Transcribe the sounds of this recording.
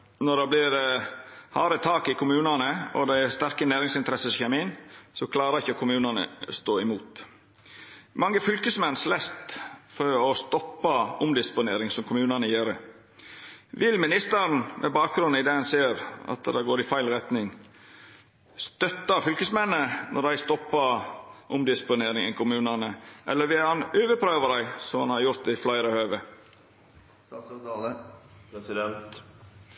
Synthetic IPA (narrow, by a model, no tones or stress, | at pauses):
nɔɖ̪ɑblɪɾ | hɑːɾət̪ʰɑːkɪkʰʊmʉːnɑnəɔ̰d̪ɛæst̪æɾkənæːɾɪŋsɪnt̪əɾɛsəsçɛmiːnsɔkʰlɑːɾəɪçəkʰʊmʉːnɑnə̰st̪oːɪmuːt̪ | mɑŋːəfʏlkəsmɛnːslɛst̪fɔɾɔst̪ɔpːɑʊmd̪ɪspʊnḛːɾɪŋsɔmkʰʊmʉːnɑnəjeːɾə̰ | ʋɪlmɪnɪst̪əɾnmʔɛ̰bɑːk̚ɡɾʉnɪd̪eːɑnseːɾɑ̰t̪d̪ɛɡoːɾɪfæɪlɾɛt̪nɪŋ | st̪œt̪ːɑfʏlkəsmɛnːənʔɔ̰d̪æɪst̪ɔpːəʔʊmd̪ɪspʊneːɾɪŋɛ̰ŋkʰʊmʉːnɑnəʔɛ̰lːəɾʋɪlhɑnøːʋəpʰɾøːʋəd̪æɪsɔmhɑnhɑɾjʊɾt̪ɪflɑɪɾəhøːʋə | ə | sɪd̪ɛnt̪